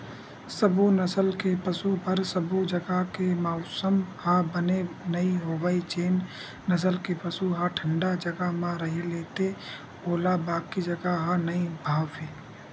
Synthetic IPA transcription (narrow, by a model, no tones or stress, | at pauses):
səbʱunəsəlkepəsupəɾsəbud͡ʒəɡakemaʊsəmhabənenəiɦoːʋəit͡ʃeːn | nːəs̬əlkepəsuɦaʈʰə̃ɳɖad͡ʒəɡamãɾəɦeleːt̪e | oːlabaːkːid͡ʒəɡaɦanəibʱaːweː